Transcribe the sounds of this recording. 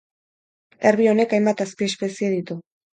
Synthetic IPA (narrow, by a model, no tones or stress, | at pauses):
e̞ɾβio̞ne̞kajmbat̪aspiespe̞sieðit̪u